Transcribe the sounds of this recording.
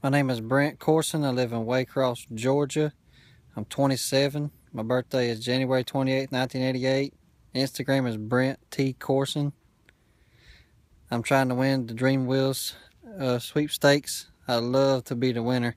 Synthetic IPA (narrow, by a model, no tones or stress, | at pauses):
maɪnẽɪ̃mɨzbɹæ̃nkʰɔɹsə̃naɪlɪvə̃nweɪkʰɹ̥ɔsd̥ʒ̥ɔɹd͡ʒɨ | ãɪ̃mtʰw̥ɛ̃ɾ̃isɛvə̃n | maɪbɜ˞θd̥eɪɨzd͡ʒæ̃njʉwɛɹitʰw̥ɛ̃ɾ̃ieɪtⁿnãɪ̃ntʰĩneɪɾieɪt̚ | ɪ̃nstɨɡɹæ̃mɨzbɹæ̃ntʰikʰɔɹsɨ̃n | ãɪ̃mtʰɹ̥aɪɪ̃ŋtʰəwɪ̃nðɨdɹĩmwilˠz̥ | ʌswipsteɪks | aɪlʌv̥tʰəbiðəwɪ̃nə˞